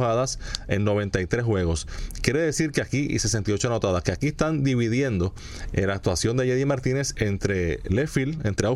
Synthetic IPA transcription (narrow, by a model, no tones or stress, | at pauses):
aðase̞nno̞βẽ̞nt̪ajt̪ɾeswe̞ɣo̞skje̞ɾe̞ðesiɾkeakiʔḭse̞se̞nt̪iot͡ʃoano̞t̪aðakeakiest̪and̪iβiðje̞nd̪o̞ | elak̚t̪wasjo̞nd̪eʝeðjimaɾt̪ine̞sent̪ɾe̞lefilent̪ɾea